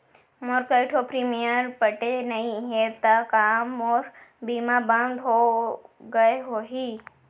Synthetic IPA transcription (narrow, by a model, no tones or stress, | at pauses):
moɾkɐɪʈʰopɾiːmijəɾpɐʈenɐĩɦet̪ɐkaːmɔːɾbiːmabɐ̃nd̪ɦo | ɡɐeɦoːɦiː